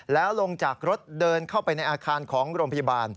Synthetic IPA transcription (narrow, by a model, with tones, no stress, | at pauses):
lɛː˦˥wlo˧ŋt͡ɕaː˨˩k̚ɾo˦˥t̪̚dɤː˧nkʰa˥˩wpa˧jna˧jʔaː˧kʰaː˧nkʰɔː˩˦ŋɾoː˧mpʰa˧ja˧baː˧n